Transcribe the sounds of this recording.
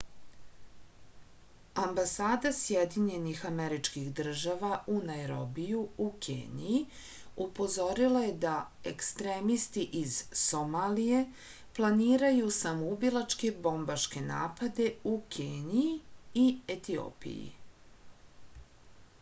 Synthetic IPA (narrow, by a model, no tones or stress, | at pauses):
ambasaːd̪asjed̪iɲe̞nixameɾit͡ʃkixd̪r̩ʒaʋaʔunajɾobijuukʰḛːnḭji | upo̞zo̞ɾilaje̞d̪ae̞kst̪ɾeːmist̪iʔiz̥so̞maːlije̞ | plˠaniːɾajusamoubilˠat͡ʃke̞bo̞mbaʃke̞na̰ːpad̪e̞ukʰeːniiiet̪io̰ːpḭjḭ